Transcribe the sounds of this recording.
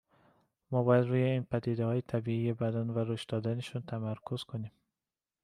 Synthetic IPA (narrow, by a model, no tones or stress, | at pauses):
mɔbɒjæd̪ɾuːjeinpæd̪id̪ahɒːjet̪ʰæbiijebæd̪ænvæɾoʃd̪ɒd̪aneʃunt̪ʰæmæɾkʰuz̥kʰonem